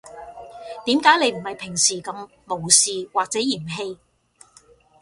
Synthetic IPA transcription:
t̪iː˨˥mkaː˨˥jne˨˧jm̩˨˩hɐ˨jpʰɪ˨˩ŋsiː˨˩kɐ˧mːo˨˩wsiː˨waː˨k̚t͡sɛː˨˥jiː˨˩mɦe˧j

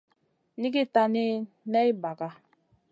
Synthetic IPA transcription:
ni˦ɡi˦ta˦ne˦ | nɛ˦i˦ba˨ka˦

